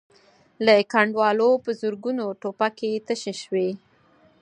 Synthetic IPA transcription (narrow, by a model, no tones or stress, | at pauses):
ləkaɳɖwɑlopəzʊɾɡunoʈopaket̪əʃeʃwe